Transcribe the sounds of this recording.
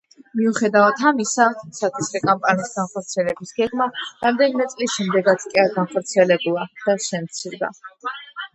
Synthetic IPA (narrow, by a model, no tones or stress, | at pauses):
miuχɛd̪avat̪ʰamisasat̪ʰisɾɛkʼampʼaniːsɡanχɔɾt̪sʰiɛlɛbisɡɛɡmaɾamd̪ɛnimɛt̪sʼliʃɛmd̪ɛɡat̪sʰkʼiaɾɡanχɔɾt̪sʰiɛlɛbulˠad̪̥aʃɛmt̪sʰiɾd̪a̰